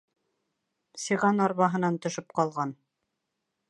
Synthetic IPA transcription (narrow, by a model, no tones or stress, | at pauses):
siʁɑnɑɾβɑɦɤ̆nɑnt̪ŏʃɤp̚qɑlˠʁɑn